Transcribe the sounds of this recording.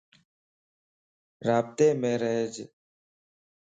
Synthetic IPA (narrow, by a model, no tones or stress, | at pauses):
ɾaːb̚t̪eːmẽːɾəɦed͡ʒ